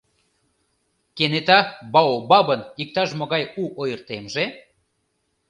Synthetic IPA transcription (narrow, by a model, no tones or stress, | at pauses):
kenet̪ɑbɑobɑβənik̚t̪ɑʃmoɣɑjuʔojərt̪emʒe